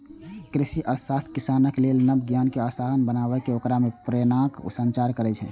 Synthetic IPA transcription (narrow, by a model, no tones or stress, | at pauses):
kɾisiʔəɾsast̪ʰkisanəklelnəbɡjankeasaɦənbənabɛkeokɾamepɾenakṵsənt͡ʃaɾkəɾɛt͡ʃʰɛ̰